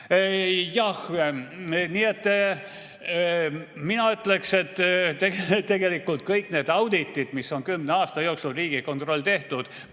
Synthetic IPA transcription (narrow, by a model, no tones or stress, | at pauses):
jɑh | niːet̪ː | minɑyt̪le̞kset̪ːˑt̪eɡt̪ːe̞ɡe̞likːˑult̪̚kɤjkˑne̞ːd̪ɑwd̪̥it̪ːˑid̪misːo̞nkymneɑːst̪ɑjo̞ːksulriːɡ̥iko̞nt̪ro̞lʲːt̪e̞ht̪ud̪̥